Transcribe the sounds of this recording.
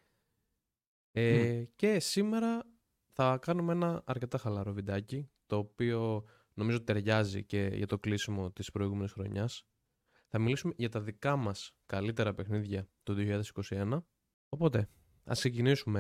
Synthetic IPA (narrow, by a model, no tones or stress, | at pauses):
ece̞sime̞ɾɐ | θɐkɐnumeenɐɐɾce̞t̪ɐxɐlɐɾo̞vid̪ɐcit̪o̞ːpio̞ | no̞mizot̪it̪e̞ɾʝɐzḭce̞ʝɐ̰t̪o̞klisimo̞t̪ispɾo̞iɣume̞nisxɾo̞̰ɲɐs | θɐmilisume̞ʝɐt̪ɐðikɐmɐskɐlit̪e̞ɾɐpe̞xniðʝɐt̪uoðioçiʎɐðesi̥ko̞sie̞nɐ | o̞po̞t̪e̞ | ɐ̰sksecinisume